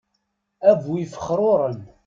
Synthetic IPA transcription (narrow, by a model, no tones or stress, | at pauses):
ævwifə̥χːɾˤoɾˤən